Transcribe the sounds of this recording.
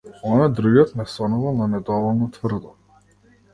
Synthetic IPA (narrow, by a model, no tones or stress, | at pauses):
ɔnad̪ɾuɡɔt̪nɛsɔnuvalˠnanɛd̪ɔvɔlˠnɔt̪vrd̪ɔ